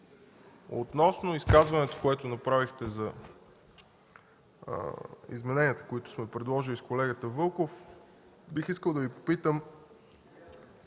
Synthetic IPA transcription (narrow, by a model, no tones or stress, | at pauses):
o̰t̪nɔsnoiskazvɐnɛt̪o̥koɛt̪onɐpɾavixt̪ɛzɐ | ḭzmɛnɛniət̪ə̥koit̪ʊ̥smɛpɾɛd̪lˠɔʒiliskolɛɡət̪əvɤlˠkof | bixiskəlˠd̪ɐvipo̥pit̪əm